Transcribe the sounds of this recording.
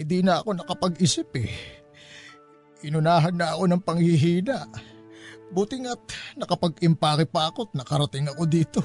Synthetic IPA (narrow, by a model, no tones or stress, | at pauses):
ɪd̪inɐɐko̞nɐkɐpɐɡɪsɪpɛ | ʔɪnʊnaːɦɐnːɐɐko̞nɐŋpɐŋhɪɦiːnɐʔ | buːt̪ɪŋat̪̚nɐkɐpɐɡʔɪmpaːkɪpakot̪̚nɐkɐɾɐt̪ɪŋɐko̞d̪iːt̪o̞